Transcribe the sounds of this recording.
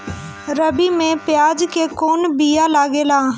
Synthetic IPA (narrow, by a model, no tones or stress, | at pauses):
ɾəbimẽpjaːd͡ʒkekoːnbijalaːɡeːlaː